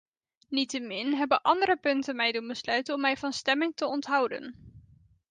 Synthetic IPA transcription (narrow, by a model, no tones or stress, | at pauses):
nitəmɪnɦɛbəʔɑndəɾəpɵntənmɛjdunbəslœɥtənɔmɛjvɑnstɛmɪŋtəɔntɦɑwdə̰n